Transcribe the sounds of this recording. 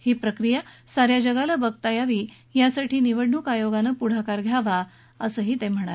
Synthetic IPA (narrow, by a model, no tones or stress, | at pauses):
hiːpɾəkɾijasaɾjad͡ʑəɡalabəɡ̚t̪ajaʋiː | jasaʈʰiːniʋəɽɳukajoɡanəpuɽ̤akaɾɡʱjaʋa | əsəːɦiːt̪em̤əɽ̃aɾe